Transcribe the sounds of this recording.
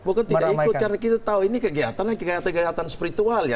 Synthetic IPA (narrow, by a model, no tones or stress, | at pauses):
bukant̪idaikʊt̪̚kaɾənakit̪at̪auinikəɡiat̪anlaikəɡajat̪aɡajat̪anspiɾit̪ualja